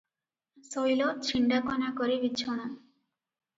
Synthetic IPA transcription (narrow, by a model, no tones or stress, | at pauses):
sojlɔt͡ʃʰiɳɖakɔnakɔɾibit͡ʃʰɔɽ̃a